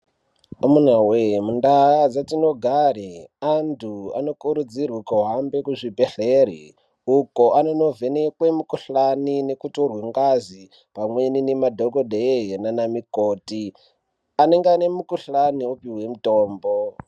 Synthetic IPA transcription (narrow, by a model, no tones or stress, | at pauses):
omunawemundaɦad͡zatino̞ɡʱaɾiantʰua̰no̞kuɾud͡zirwukoɦambekuʐibeɬeɾḭ | ukoʔanono̞venekwemukuɬanine̞kutorweŋɡazi | pamwe̞ninemadʱokodeɦenanamikoːti | ane̞ŋɡeane̞mukuɬaniopiwe̞mutoːmbo